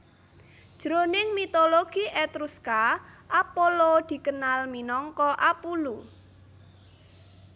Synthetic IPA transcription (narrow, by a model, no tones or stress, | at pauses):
d̥ʒ̥ɾonɪŋmit̪oloɡ̥iet̪ɾuskaʔapolod̪̥i̤kənalminɔŋkɔʔapulu